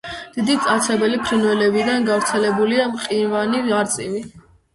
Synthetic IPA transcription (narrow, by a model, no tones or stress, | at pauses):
d̪̥id̪it̪sʼat̪sʰɛbɛlipʰɾinwɛlɛbid̪anɡavɾt̪sʰɛlɛbuliamqʼiɾvaniaɾt̪sʼivi